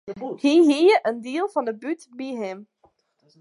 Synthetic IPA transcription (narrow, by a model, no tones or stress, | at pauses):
hiɦijəʔəndiəlˠvɑndəbytbiɦɪm